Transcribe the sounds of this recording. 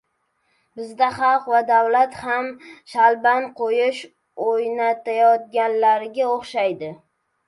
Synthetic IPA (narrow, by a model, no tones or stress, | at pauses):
bɪzd̪aχɑlˠqvad̪avlat̪hamʃalbanqʰojɪʃ | ojnat̪ajɒt̪̚ɡʲanlaɾɪɡʲaoχʃajd̪ɪ